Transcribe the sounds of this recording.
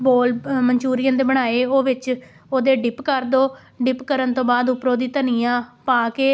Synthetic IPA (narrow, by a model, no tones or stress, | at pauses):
boːlməɲt͡ʃuːɾɪjãːd̪eːbəɽ̃aːeːoːʋɪt͡ʃ | oːd̪eːɖɪpkəɾd̪oː | ɖɪpkəɾənt̪õːbaːd̪ʊpɾoːd̪iːt̪ənĩːãːpaːkeː